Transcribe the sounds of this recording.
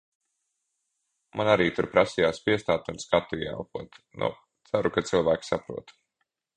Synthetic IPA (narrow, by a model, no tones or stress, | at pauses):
mʔanaɾiːt̪uɾpɾasijaːspiɛst̪aːt̪unskat̪ːuiɛja̰wkuɔt̪nʔṵ | t̪saɾukat̪sɨlˠvæːksapɾṵɔt̪u̥